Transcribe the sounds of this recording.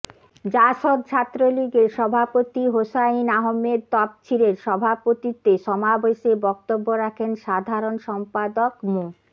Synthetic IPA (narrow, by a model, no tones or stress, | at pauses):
d͡ʑaʃod̪̚t͡ɕʰat̪ːɾoliɡeɾʃɔbʱapot̪iɦoʃainaɦomed̪̚t̪ɔp̚t͡ɕʰiɾeɾʃɔbʱapot̪it̪eʃɔmabeʃebɔk̚t̪obːoɾakʰenʃad̪ʱaɾonʃɔmpad̪okmo